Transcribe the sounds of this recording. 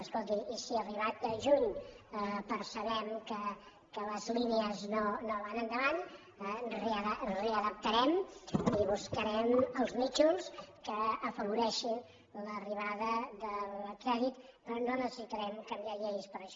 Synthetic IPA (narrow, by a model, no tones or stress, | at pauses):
əskolˠt̪iisiəriβat̪̚əʒuɲəpəɾsəβɛmkə | kələzlineəznonoβanənd̪əβan | əreəəreəðəp̚t̪əɾɛmiβuskəɾɛməlˠzmit͡ʃuskəːfəβuɾɛʃin | ləriβ̞aðəðəlkɾɛðit̪pɾɔnonəsəsit̪əɾɛmkəmbiaʎejspəɾəʃɔ